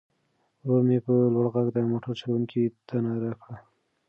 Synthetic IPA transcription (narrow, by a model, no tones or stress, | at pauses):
womepəlwaɽɣaɡd̪amoʈəɾt͡ʃawuŋkʰit̪anaɾakɽa